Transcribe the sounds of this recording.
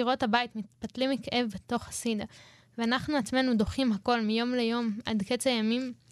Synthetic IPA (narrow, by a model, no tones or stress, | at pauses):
iʁo̞thabajit̪mit̪̚patlimikʔe̞vbet̪o̞χhasid̪a | veanaχnuat͡sme̞nud̪o̞χimɦako̞lmijo̞mlejo̞mʔa̰d̪ket͡sajamim